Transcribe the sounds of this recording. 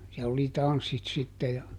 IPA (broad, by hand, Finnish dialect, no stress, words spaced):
siɛlː oli tɑnsːit sitːe jɑ